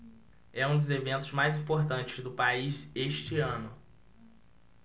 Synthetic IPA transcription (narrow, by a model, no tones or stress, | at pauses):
ɛũd̪ʊzevẽnt̪ʊzmajzĩpoɾt̪ɐ̃nt͡ʃɪzd̪ʊpaizeʃt͡ʃɪɐ̃nʊ